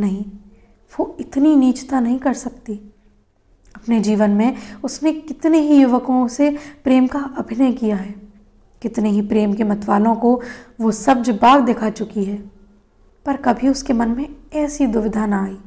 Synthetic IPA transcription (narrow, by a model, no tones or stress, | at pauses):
nɐɦĩ | ʋoɪt̪niniːt͡ʃt̪anɐɦĩkɐɾsɐkt̪i | ɐpned͡ʒiːʋənmẽʊsnekɪt̪neɦijʊʋəkõsepɾeːmkaʔɐbʱɪnəjkijaɦɛː | kɪt̪neɦipɾeːmkemɐt̪ʋaːlõkoʋosɐb̚d͡ʒbaːɡd̪ekʰat͡ʃʊkiɦɛː | pɐɾkɐbʱiʊskemɐnmẽɛːsid̪ʊʋɪd̪ʱanaaːiː